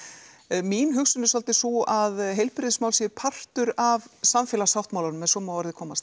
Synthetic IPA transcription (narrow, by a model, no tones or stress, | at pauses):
minɦʏxsʏnʏsalt̪ɪsuaðɦejlpɾɪsmaːwlsipʰar̥t̪ʏɾavsamfjɛlasawht̪mawlaɾnʏmɛðsɔːmaɔɾðɪkʰɔːmast̪